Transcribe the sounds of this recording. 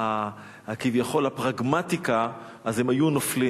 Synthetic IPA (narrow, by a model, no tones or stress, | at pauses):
a | akivjaχo̞lapʁaɡmat̪ika | azemajunofli